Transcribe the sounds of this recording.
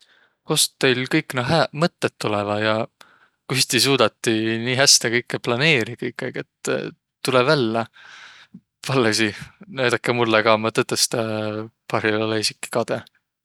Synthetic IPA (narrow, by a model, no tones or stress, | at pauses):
ko̞st̪t̪ːejlkɤjkːˑnɑɦæmɤt̪ːet̪ːulɛvɑjɑ | kyst̪is̬uːd̪̥ɑt̪ːiniːɦæst̪ekɤjkːeplɑne̞ːɾikɤjkːˑejkːet̪ː | ulɛvælːɑ | pɑlːesinæjd̪̥ɑkːˑemulːekɑmɑt̪ɤt̪ːˑest̪ɑpɑɾioleisikːˑi̥kɑd̪̥e